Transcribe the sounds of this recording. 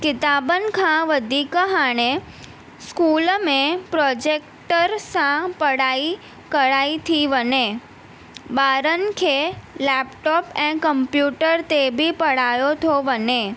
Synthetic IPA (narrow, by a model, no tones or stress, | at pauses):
kɪt̪abənkʰãʋəd̪ʱikəɦañe | skulmẽpɾɔd͡ʒek̚ | ʈəɾsãpəɽai | kəɽait̪ʰiʋəne | baɾənkʰelɛpʈɔpɛ̃kəmpjuʈəɾt̪ebʱipəɽajot̪ʰoʋəne